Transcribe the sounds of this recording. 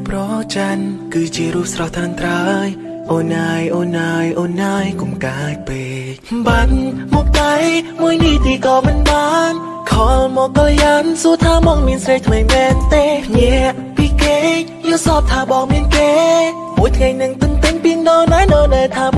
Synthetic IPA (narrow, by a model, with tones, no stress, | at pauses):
prɑt͡ɕa˧nkɨː˧t͡ɕi˧əɾuː˧p̚srɑ˧ht̪ʰra˧nt̪ra˧j | ʔoːnːaː˧jʔoː˧nːaːjʔoːnːaː˧jko˧mkaː˩j̚peː˩ | c̚ɓa˧nmɔ˧k̚t̪a˧jmu˧əjni˧t̪iː˧kɑː˧mɨ˧nɓaː˧n | kʰɑ˧lmɔː˧kːɑ˧ljə˧nsu˧ət̪ʰaː˧mɔː˧k̚miənsrə˧jt̪ʰmə˧ŋmɛː˧nt̪eː˧pʰɲi˧əəʔ | piː˧keː˧joː˧sɑː˧p̚t̪ʰaː˧ɓɑː˧ŋmi˧ənkeː˧ | mu˩əjt̪ʰŋa˧jnɨŋt̪ɨənt̪ɨ˧ŋpi˧əŋɗɔː˧naː˧jnəː˧ɗaː˧jt̪ʰaː˧